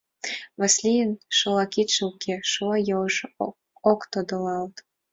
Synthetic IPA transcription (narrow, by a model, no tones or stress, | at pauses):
βɑslʲijənʃɤ̆lɑkit̪ʃəukʰeʃoɑjɤəʃ | okt̪od̪ɤ̆lɑlt̪